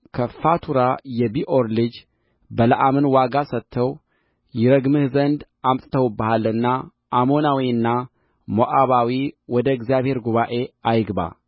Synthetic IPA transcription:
kʰəfat̪ʰuɾajɛbiʔoɾlɨd͡ʒ | bələʔamɨnwaɡasət̪ʰːəw | jɪɾəɡmɨhzənd̪ | amt̪ʼt̪ʰəwbəhalːɨnːa | ʔːmo̞nawiɨnːa | moʔʼaβawiwɔd̪əɛɡzijaβhe̞ɾɡuβaʔe̞ajɡba̰

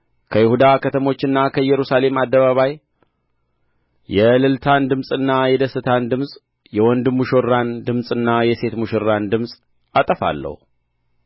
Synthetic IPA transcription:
kʰəjɪhud̪akʰət̪ʰəmo̞t͡ʃːɨnːakʰəjːɛɾusale̞mad̪ːəβaβaj | jɛlɨlt̪ʰand̪ɨmsʼɨnːajɛd̪əsɨt̪ʰand̪ɨmsʼ | jɛwɔnd̪ɨmːuʃorːand̪ɨmsʼɨnːajɛse̞t̪muʃorːand̪ɨmsʼ | at̪ʼəfa̰lːə̰hu

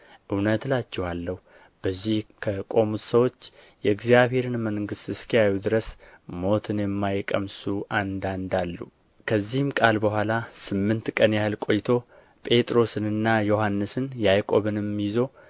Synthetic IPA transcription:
ʔɨwnət̪lat͡ʃːɛhalːəhu | b̥əzːihkʰəkʼo̞mut̪səwo̞t͡ʃː | jɛɨɡzijaβhe̞ɾɨnməŋɡɨst̪ɨskijajud̪ɨɾəsmo̞t̪ʰɨnjɛmːajkʼəmsuʔand̪and̪alːu | kʰəzːihɨmkʼalbəɦʷwʷalasɨmːɨnt̪kʼənjahɨlkʼo̞jt̪ʰo̞ | pʼe̞t̪ʼɾo̞sɨnɨnːajo̞ɦanːɨsɨnjajkʼo̞βɨnɛmːijzo̞

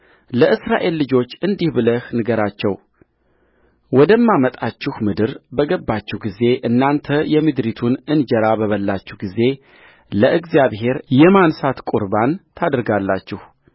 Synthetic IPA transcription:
ləʔɨsɾa̰ʔe̞lːɨd͡ʒo̞t͡ʃːɨnd̪ihbɨləhnɨɡəɾat͡ʃːɛw | wɔd̪əmːamət̪ʼat͡ʃːɪhmɨd̪ɨɾbəɡəbːat͡ʃːɛhɡize̞ʔɨnːant̪ʰəjɛmɨd̪ɾit̪ʰunɨnd͡ʒəɾabəβəlːat͡ʃːɛhɡize̞ | ləʔɨɡzjaβhe̞ɾjɛmansat̪kʼuɾbant̪ʰad̪ɾɡalːat͡ʃːɪh

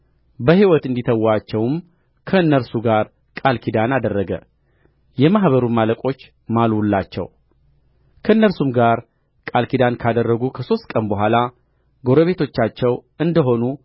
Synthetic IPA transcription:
bəhiwɔt̪ɨnd̪it̪ʰəwːat͡ʃːɛwm | kʰəɨnːəɾsuɡaɾ | kʼalkʰid̪anad̪ərːəɡə̰ | jɛmahβəɾumaləkʼo̞t͡ʃː | malwulːat͡ʃːɛ̰w | kʰəɨnːəɾsumɡaɾ | kʼalkʰid̪ankʰad̪ərːəɡukʰəso̞st̪̚kʼənbəɦʷala | ɡo̞ɾəβe̞t̪ʰo̞t͡ʃːat͡ʃːɛwɨnd̪əɦo̞nu

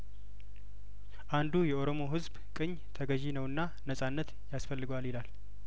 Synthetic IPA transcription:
ʔand̪ujɛoɾo̞mo̞ɦɨzb | kʼɨɲːt̪ʰəɡəʒinəwɨnːa | nəsʼanːət̪ | jasfəlːɨɡaljɪlal

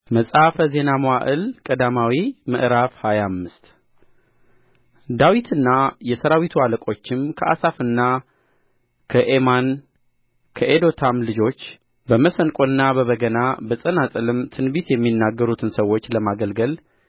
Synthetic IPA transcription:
məsʼafəze̞naməwaʔɨlkʼəd̪amawimɨʔɾafhajamːɨst̪ | d̪awit̪ʰɨnːajɛsəɾawit̪ʰualəkʼo̞t͡ʃːɪmkʰəʔa̰safɨnːa | kʰəʔe̞man | kʰəʔed̪o̞t̪ʰamlɨd͡ʒo̞t͡ʃː | bəməsənkʼoɨnːabəβəɡənabəsʼənasʼɨlɨmt̪ʰɨnbit̪jɛmːinːaɡːəɾut̪ʰɨnsəwo̞t͡ʃːləmaɡəlɡəl

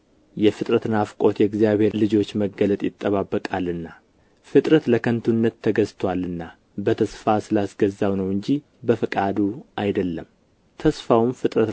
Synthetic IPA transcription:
jɛfɨt̪ʼɾət̪ɨnafkʼo̞t̪jɛɡzijaβhe̞ɾlɨd͡ʒo̞t͡ʃːməɡələt̪ʼjɪt̪ʼːəβabːəkʼalɨnːa | fɨt̪ʼɾət̪ləkʰənt̪ʰunːət̪ʰːəɡəzt̪ʰwalːɨnːa | bət̪ʰəsfasɨlasɡəzːawnəwɨɲd͡ʒi | bəfɨkʼad̪uajd̪əlːəm | t̪ʰəsfawmfɨt̪ʼɾət̪

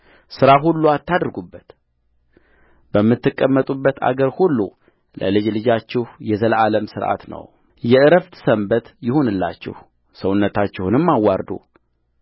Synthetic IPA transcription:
sɨɾaɦulːuat̪ːad̪ɾɡubːət̪ | bəmːɨt̪ːɨkʼːəmːət̪ʼubːət̪ʰa̰ɡəɾhulːu | lʔə̰lɨd͡ʒlɨd͡ʒat͡ʃːɪhjɛzəlaləmsɨɾʔa̰t̪nə̰w | jɛʔɨɾəft̪ʰsəmbət̪jɪhonɨlːa̰t͡ʃːɪ̰h | səwʊnːət̪ʰat͡ʃːɪhunɨmːawːaɾd̪ṵ

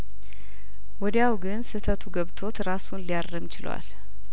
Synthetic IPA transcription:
wɔd̪jawɡɨnsɨt̪ʰət̪ʰuɡəβt̪ʰo̞t̪ɾasunlijarːəmt͡ʃɪlwa̰l

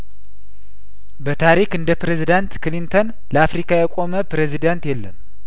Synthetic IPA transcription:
bət̪ʰaɾikɨnd̪əpɾezid̪ant̪kɨlint̪ʰon | ləafɾikʰajɛkʼo̞məpɾezid̪ant̪jɛlːəm

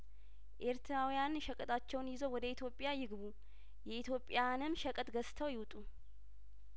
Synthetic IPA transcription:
ʔeɾt̪ʰɾawijanʃəkʼət̪ʰʼat͡ʃːɛwnjɪzowɔd̪əit̪ʰjo̞pʼːjajɪɡβu | jɛit̪ʰjo̞pʼːjanɨmʃəkʼət̪ʼɡəst̪ʰəwjɪwt̪ʼu

